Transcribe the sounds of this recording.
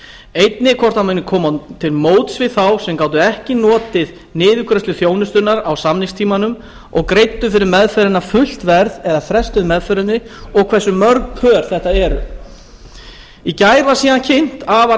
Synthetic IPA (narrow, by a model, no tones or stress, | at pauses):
ejt̪nɪkʰɔr̥t̪amanɪkʰɔːmat̪ʰɪlmoːwt̪svɪθawsɛmkaːwt̪̬ʏɛhcɪn̪ɔːt̪ɪð | nɪːðʏkʰɾɛst̪lʏθjoːwnʏst̪ʏnaɾawsamnɪŋst̪ʰiːmanʏm | ɔɣkɾejt̪ːʏfɪɾɪɾmɛðfœɾɪnafʏl̥t̪vɛɾðɛðaθɾɛst̪ʏðmɛðfœɾʏnːɪɔɣkʰvɛsːʏmœɾkpʰœːɾ̥θɛht̪aɛɾʏ̰ | icajɾasiːðancʰen̥t̪ava